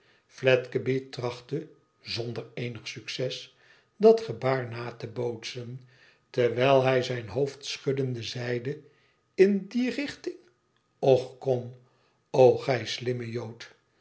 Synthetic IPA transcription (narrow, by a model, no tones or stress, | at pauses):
flɛtkəbitrɑχtə | zɔndəɹejnəχsyksɛs | dɑtχəbaːɹnaːtəbowtsən | təʋɛlˠɦɛjzɛjnɦowftsχʏdəndəzɛjdə | ɪndirɪχtɪŋ | ɔχkɔm | owχɛjslɪməjowt